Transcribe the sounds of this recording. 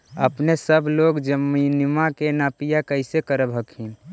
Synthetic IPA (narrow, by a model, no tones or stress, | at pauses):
əpnesəbʱloɡd͡ʒəminmakenapijakəɦɪsekəɾəbʱəkɦin